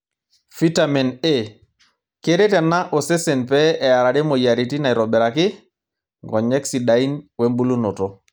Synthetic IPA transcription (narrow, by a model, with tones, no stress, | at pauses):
fi˦ta˨mɛ˨ne˦˨ | ke˦ɾe˦tɛ˨na˦ʔo˨se˦se˨npɛ˦ɛ˨a˨ɾa˨ɾe˦mo˨ja˨ɾi˨ti˦na˨i˨ɾɔ˨bɛ˨ɾa˨kɪ˦ | ŋɡɔ˨ɲɛ˦ksi˨da˨i˦nwɛ˦mbu˦lu˦no˨tɔ˨